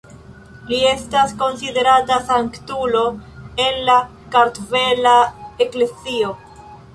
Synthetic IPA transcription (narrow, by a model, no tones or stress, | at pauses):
lie̞stasko̞nside̞ɾatasaŋktulo̞enla | kaɾtve̞laeklesio̞